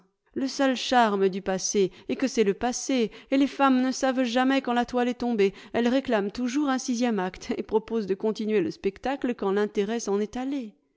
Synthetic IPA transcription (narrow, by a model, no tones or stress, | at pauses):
ləsœlʃaʁməd̪ypaseːkəsɛləpaseelefamnəsavʒamɛkɑ̃lat̪walɛt̪ɔ̃beɛlʁeklamt̪uʒuʁɛ̃sizjɛmakt̪epχɔpozd̪əkɔ̃t̪inɥeləspɛkt̪akləkɑ̃lɛ̃t̪eʁɛsɑ̃nɛt̪ale